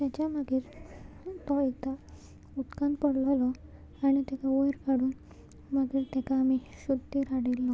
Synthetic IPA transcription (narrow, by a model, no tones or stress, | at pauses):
t̪at͡ɕamaɡiɾ | t̪ɔekt̪a | ut̪kãnd̪pɔɽlɔlɔ | aɽ̃it̪ɛkaojɾkaɽuːn | maɡiɾt̪ɛkaːmiɕud̪ːiɾaɽilːɔ